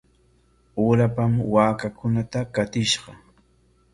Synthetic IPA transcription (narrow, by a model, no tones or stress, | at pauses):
uːɾapamwaːkakʊnat̪akat̪ɪʃɢɑ